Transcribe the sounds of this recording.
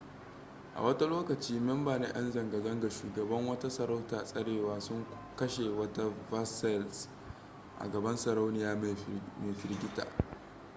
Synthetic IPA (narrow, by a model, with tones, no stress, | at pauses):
ʔa̰˨wɐ˦ta˦loː˦kɐ˨t͡ʃiː˦mɛ˦mbaː˨ne˦ʔɐ̰˦nzɐ˨ŋɡa˨zɐ˦ŋɡa˨ʃuː˨ɡɐ˨bɐ˦ŋwɐ˦ta˦sɐ˨ɾa˦wtaː˨sʼɐ˦ɽeː˨waː˦sʊ˦ŋ | kɐ˦ʃe˨wɐ˦ta˦va˦sɛ˦ls | ʔa̰˨ɡɐ˨bɐ˦nsɐ˨ɾa˦wnɪ˨jaː˦m˨meː˨ɸɪ˨ɾɡʲɪ˦ta̰ː˨